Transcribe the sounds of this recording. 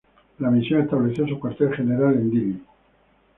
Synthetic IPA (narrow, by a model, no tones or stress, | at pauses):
lamisjonest̪aβleθjos̬ukwaɾt̪elxene̞ɾalend̪iβinu